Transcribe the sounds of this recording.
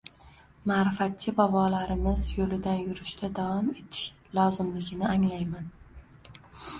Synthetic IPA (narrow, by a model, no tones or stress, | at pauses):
maɾɪfat̪̚t͡ʃʰɪbɒbɒlaɾɪmɪzjolɪd̪anjʊɾɪʃt̪ʰad̪avɒme̞t̪ʰɪ̥ʃ | lˠɒzɪmlɪɡʲɪnɪaŋlajman